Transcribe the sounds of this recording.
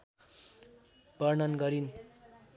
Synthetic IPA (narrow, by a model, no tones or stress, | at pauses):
b̥ʌrnʌnɡʌɾin